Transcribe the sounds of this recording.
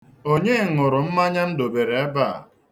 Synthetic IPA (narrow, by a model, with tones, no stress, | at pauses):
o˦ɲe˦˨ŋʊ˨ɾʊ˨m̩˦ma˦ɲa˦n̩˦do˨be˨ɾe˨e˦ba̰˦˨